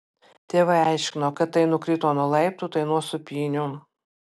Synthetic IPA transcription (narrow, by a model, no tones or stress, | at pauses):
t̪ʲeːʋɐæˑɪʃʲkʲɪnoːkɐt̪ːɐɪnʊkɾʲɪt̪oːnʊlˠɐɪp̚t̪ut̪ɐɪnuɔsʊpʲiːnʲʊ